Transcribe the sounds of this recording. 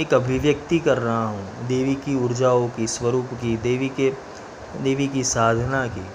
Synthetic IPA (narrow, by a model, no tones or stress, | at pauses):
eːkɐbʱɪʋjɐkt̪ikɐɾːɐɦaɦũd̪eːʋikiʊɾd͡ʒaːõkisʋɐɾuːpkid̪eːʋike | d̪eːʋikisaːd̪ʱnakḭː